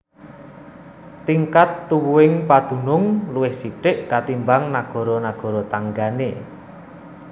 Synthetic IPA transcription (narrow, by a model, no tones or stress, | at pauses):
t̪iŋkat̪ːuwuwɪŋpad̪̥ṳnʊŋluwɪhsiʈɪʔkat̪imbaŋnaɡ̥ɔ̤ɾɔnaɡ̥ɔ̤ɾɔt̪aŋɡane